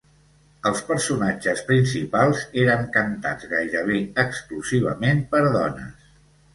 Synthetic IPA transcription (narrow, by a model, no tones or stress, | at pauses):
əlˠspəɾsunad͡ʒəspɾinsipalˠzeɾəŋkənt̪a̰d͡zɣajɾəβ̞eəkskluziβ̞ə̰menpəɾðɔ̰nə̰s